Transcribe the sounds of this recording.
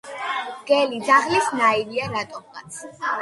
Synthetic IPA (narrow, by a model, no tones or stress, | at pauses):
ɡ̥ɛlid̪zaʁlisnaiviaɾat̪ʼɔmʁa̰t̪sʰ